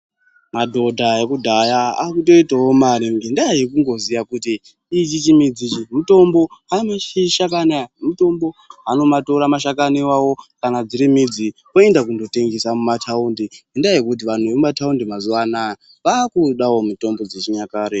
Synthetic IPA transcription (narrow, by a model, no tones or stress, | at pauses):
madʱo̞dʱajekudʱajaakuto̞itawomaɾiŋɡendaeɦekuŋɡo̞zijakutiː | t͡ʃit͡ʃimid͡zit͡ʃimuto̞mbo̞ɦamat͡ʃiʃak̬anamuto̞mbo̞ɦano̞mato̞ɾamaʃakaniwawo̞kanad͡ziɾimid͡zi | oe̞ndakundo̞te̞ŋɡesamumatʰaundiɡendajjekut̬iʋan̤uʋeumataundimazuʋanaa | ʋakuɗawomito̞mbo̞d͡zet͡ʃiɲakaːɾe